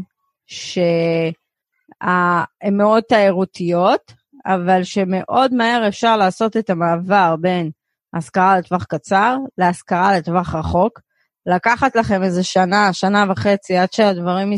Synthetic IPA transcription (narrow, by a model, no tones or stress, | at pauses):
ʃe | aemːeo̞d̪̚t̪aeʁut̪ijo̞t̪ | avalʃeme̞ʔo̞dmae̞ʁe̞fʃaʁlaːso̞t̪e̞t̪amaːvaʁbe̞n | askaʁalet̪vaχkat͡saʁleaskaʁalet̪vaχʁaχo̞k | lakaχat̪laχe̞mezeʃanaʃanavaχe̞t͡siadʃeadvaʁim